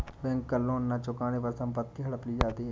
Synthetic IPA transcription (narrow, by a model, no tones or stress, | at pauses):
bɛ̃ːŋkːəlːoːnːat͡ʃʊkaːnepəɾsə̃mpət̪ːiɦɐɽəpliːd͡ʒaːt̪i